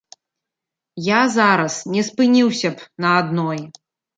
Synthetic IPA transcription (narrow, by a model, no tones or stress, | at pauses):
jazaɾɐsnʲɛspɨnʲiwsʲɐpnɐːd̪nɔj